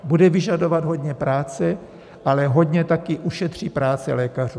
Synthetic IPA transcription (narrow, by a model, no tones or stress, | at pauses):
budɛvɪʒado̞vad̪ɦo̞dɲɛpɾaːt͡sɛ | ʔalɛɦo̞ɟɲɛt̪akɪʔuʃɛt̪r̝̥iːpɾaːt͡sɛ̰lɛːkar̝uː